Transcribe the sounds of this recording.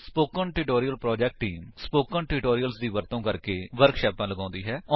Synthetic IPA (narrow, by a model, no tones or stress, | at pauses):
spoːkə̃ɳʈɪːʈoːɾijəlpɾɔːd͡ʒɛːk̚ʈːiːmspoːkə̃ɳʈɪʈoːɾijəlsd̪iːʋəɾt̪õːkəɾkeːʋəɾkʃɛːpãːləɡãːnd̪iːɦɛːɔ